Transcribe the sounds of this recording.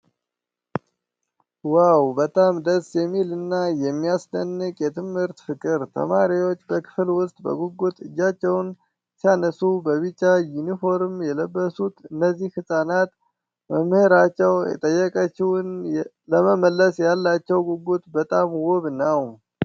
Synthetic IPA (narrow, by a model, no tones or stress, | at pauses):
wawbət̪ʼamd̪əsjɛmːilɨnːajɛmːiasd̪ənːɨkʼjɛt̪ʰɨmhɨɾt̪fɨkʼɨɾt̪ʰə̰maɾiwo̞t͡ʃːbəkʰɨ̥flwʊst̪ʼbə̰ɡuɡut̪ʼɨd͡ʒːat͡ʃːɛwn | sijanəsubəβɨt͡ʃʼːajunifo̞ɾmjɛləbːəsut̪ɨnːəzːihɨsʼanat̪ | məmːhɨɾat͡ʃːɛwjɛ̰t̪ʼəjːɛkʼət͡ʃːɪwʊn | ləməməlːəsjalːat͡ʃːɛwɡuɡut̪ʼbət̪ʼamwoβnəw